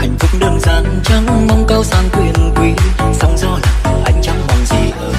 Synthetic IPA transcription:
ʔa˨˩jŋ̟vɨ˨˥ŋ͡m̚ɗəː˨˩nzaː˧˩nt͡ɕa˧˦ŋmə˨˧˦wŋ͡mkə˧˦wsaː˨˩nkwi˧˩ən˨kwi˨˦sə˨˧˦wŋ͡mzɔ˧˦jʔa˨˧˦jŋ̟t͡ɕa˨˦ŋ͡mmɔ˨˩nzi˧˩˨

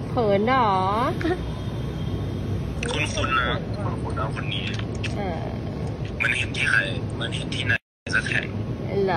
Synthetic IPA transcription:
pʰɤː˨˦nlɔː˩˦ | kʰu˧˥˨nkʰu˧˥nːa˧˩kʰu˧˨nkʰu˧˨nʔaː˧˩wkʰo˧nːiː˦ | ʔɤː˧˩ | ma˧˥nhe˧˦t̪t̪ʰiː˧˩xʰa˧˩jma˧˥nhe˨˧˦t̪̚t̪ʰiː˧˥˩na˧sa˧˩kʰɛ̰˨˩ŋla˧

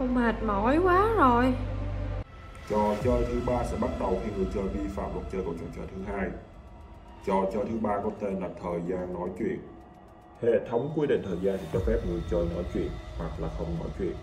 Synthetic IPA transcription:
ə˧wŋ͡maː˨˩t̚mɔ˨˦jkwaː˨˦zo˨˩j | t͡ɕɔ˨˩t͡ɕəː˧jt̪ʰɨ˨˦ɓaː˧sɛ̰˧˥ɓa˦˥t̚ɗə˨˩wt̪ʰe˧wŋɨ˨˩əjt͡ɕəː˧jvi˧fa̰ː˧˨mlwə˨˩t̚t͡ɕəː˧ku˧˩ət͡ɕɔ˨˩t͡ɕəː˧˩jt̪ʰɨ˨˦ɦaː˧j | t͡ɕɔ˨˩t͡ɕəː˧jt̪ʰɨ˨˦ɓaː˧kɔ˨˦t̪e˧nla˨˩p̚t̪ʰəː˨˩jzaː˧nːɔ˨˦jt͡ɕwḭ˧˨ən | hḛ˧˨t̪ʰə˨˦wŋ͡mkwi˧˦ɗḛ˧˨˩nt̪ʰəː˨˩jzaː˧nt̪ʰi˨˩t͡ɕɔ˧˥fɛ˦˥p̚ŋɨ˨˩əjt͡ɕəː˧jnɔ˨˦jt͡ɕwḭ˧˨ənwa˨˩k̚laː˨˩xə˧wŋ͡mnɔ̰˨˦jt͡ɕwḭ˧˨ən

